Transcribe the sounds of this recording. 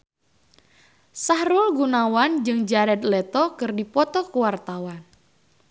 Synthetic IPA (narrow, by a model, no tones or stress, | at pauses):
sahɾʊlɡunawand͡ʒɨŋd͡ʒaɾɛt̪lɛt̪ɔkɨrdipɔt̪ɔkuwart̪awan